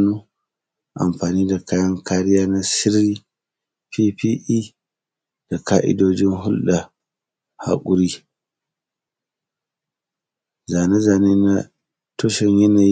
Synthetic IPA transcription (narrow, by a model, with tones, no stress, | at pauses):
nu˦ | ʔa̰˨mɸaː˨niː˦da˨kaː˦jɐ˦ŋkaː˦ɾɪ˦jaː˦na˦sɪ˦ɾi˦ | pi˦pi˦ʔi˦ | d̥a˨kaː˦ʔɪ̰˦doː˦d͡ʒɪ˦nɦʊ˦lɗa˨ | ha̰˨kʼʊ˦ɾi˦ | za˨ne˦za˨ne˦na˦ | to˦ʃɛ˨ɲjɛ˦na˨